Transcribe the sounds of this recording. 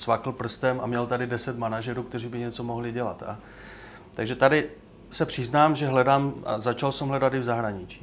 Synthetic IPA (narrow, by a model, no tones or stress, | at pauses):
svakl̩pr̩st̪ɛmamɲɛlt̪adɪdɛsɛt̪manaʒɛɾuːkt̪ɛr̝iːbɪɲɛt͡so̞mo̞ɦlɪɟɛla̰t̪a̰ | t̪aɡʒɛt̪adɪ | sɛpr̥ɪznaːmʒɛɦlɛdaːmʔa̰zat͡ʃalsɛmɦlɛdat̪ɪvzaɦɾaɲɪt͡ʃi̥ː